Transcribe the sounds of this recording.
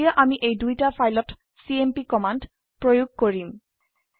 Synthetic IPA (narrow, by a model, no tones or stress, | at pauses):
ijaʔamiʔejdujtafʰajlɔt | siempikɔmand | pɹojuɡ̚koɹim